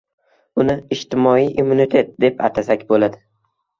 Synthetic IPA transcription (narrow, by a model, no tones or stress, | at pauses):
ʊnɪɪʃt̪ɪmɒijʔimːunit̪ʰe̞t̪̚d̪e̞pa̰t̪ʰasakʲbolad̪ɪ